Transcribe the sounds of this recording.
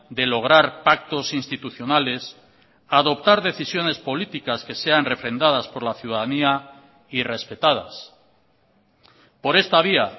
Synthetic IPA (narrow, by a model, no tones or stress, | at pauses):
d̪e̞lo̞ɣ̞ɾaɾpak̚t̪o̞sinst̪it̪uθjo̞nale̞s | aðo̞p̚t̪aɾðe̞θisjo̞ne̞spo̞lit̪ikaske̞se̞anre̞fɾe̞nd̪aðaspo̞ɾlaθjuðaðania | ire̞spe̞t̪að̞a̰s | po̞ɾe̞st̪aβ̞ia